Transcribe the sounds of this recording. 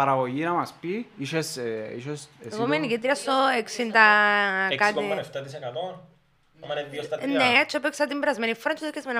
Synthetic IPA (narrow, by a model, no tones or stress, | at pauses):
ɐɾɐɣoʝinɐmɐspiiʃesḭʃeseɣomenikit̪ɾiɐst̪oeksind̪ɐkat̪iɐneft̪ɐt̪isekɐt̪on | ɐmɐneiost̪ɐnet͡ʃʰopeksɐt̪imbɾɐzmenifoɾɐnt͡ʃʰːot̪okːɐzmen